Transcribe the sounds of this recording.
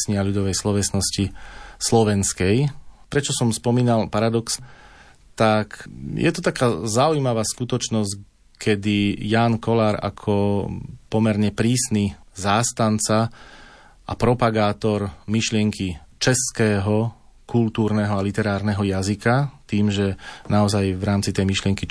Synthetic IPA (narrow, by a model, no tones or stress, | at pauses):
sɲɪaʎud̪ɔʋɛjslɔʋɛsnɔscislɔʋɛnskɛjpɾɛt͡ʃɔsɔmspɔmiːnalpaɾad̪ɔks | t̪akjʔɛ̰t̪ɔt̪akaːzaujmaʋaːskut̪ɔt͡ʃnɔsc | kʰɛd̪ijaːnkɔlaːɾa̰kʰɔpɔmɛɾɲɛpɾiːsnizaːst̪ant͡sa | ʔa̰pɾɔpaɡaːt̪ɔɾmiʃlɪɛŋkʰit͡ʃɛskɛːɦɔ | kult̪uːɾnɛɦɔalit̪ɛɾaːɾnɛɦɔjazikat̪iːmʒɛnaɔzajʋɾaːmt͡sit̪ɛjmiʃlɪɛŋki